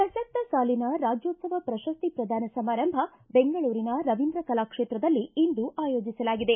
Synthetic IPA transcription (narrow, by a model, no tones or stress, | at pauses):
sɐʃɐst̪ːɐsaːlinɐɾaːd͡ʒjoːt̪sɐʋɐpɾɐʃɐst̪ipɾɐd̪ʱaːnɐsɐmaːɾɐmbʱɐ | beŋɡɐɭuːɾinɐɾɐʋind̪ɾɐkɐlaːkʂeːt̪ɾɐd̪ɐlːiːnd̪uʔaːjoːd͡ʒisɐlaːɡid̪e̞